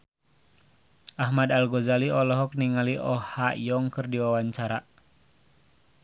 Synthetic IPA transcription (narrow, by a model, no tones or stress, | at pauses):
ʔaɦmadalɡɔzaliɔlɔɦɔk̚niŋaliʔɔhajɔŋkɨrdiwawaɲt͡ʃaɾa